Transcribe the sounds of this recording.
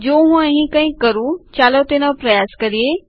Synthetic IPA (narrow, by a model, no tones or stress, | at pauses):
d͡ʒoːɦũãɦĩkãĩkɐɾũt͡ɕaːlot̪enapɾɐjaːskɐɾieː